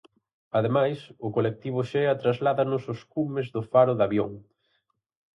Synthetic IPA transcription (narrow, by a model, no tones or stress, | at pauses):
aðemajsʊkolek̚t̪iβ̞ʊʃɛɐt̪ɾazlaðanʊsʊskumezðʊfaɾʊðaβjoŋ